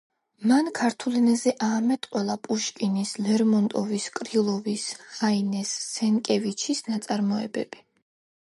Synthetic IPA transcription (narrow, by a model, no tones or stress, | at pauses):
mankʰaɾt̪ʰulinɛzɛʔaːmɛt̪ʼqʼwɛlˠapʼuʃkʼinislɛɾmɔnt̪ʼɔviskʼɾilˠɔvisχainɛsːɛŋkʼɛvit͡ʃʰisnat̪sʼaɾmɔɛ̰bɛ̰b̥i